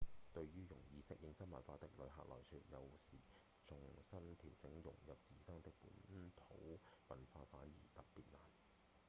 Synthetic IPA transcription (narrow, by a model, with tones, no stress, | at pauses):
t̪ɵ˧ɥɥyː˥jʊ˨˩ŋjiː˨˧sɪ˨˥k̚jɪ˧ŋsɐ˥nmɐ̰˨˩nfaː˧t̪ɪ˨k̚lɵ˨˧ɦa̰ː˨˧k̚lɔ̰ː˨˩jsyː˧t̚jɐ˨˧wsiː˨˩ | t͡sʊ˨ŋsɐ˥nt̪ʰiː˨˩wt͡sɪ˨˥ŋjʊ̰˨˩ŋjɐ˨p̚t͡siː˨sɐ˥ŋt̪ɪ˨k̚pṵː˨˥nt̪ʰo̰˨˥wwɐ˨nfaː˧tfaː˨˥njḭː˨˩t̪ɐ˨ppːiː˨t̚laː˨˩n